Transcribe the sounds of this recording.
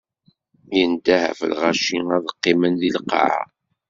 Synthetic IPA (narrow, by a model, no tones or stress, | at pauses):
jənd̪æhæ̰fə̰lʁaʃiŋæðəqːɪmənðilqːɑ̰ʕa̰